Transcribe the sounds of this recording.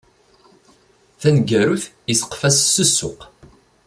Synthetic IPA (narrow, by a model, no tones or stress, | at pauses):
θænɡæɾuθ | isə̥qfæssːəsːʊ̰q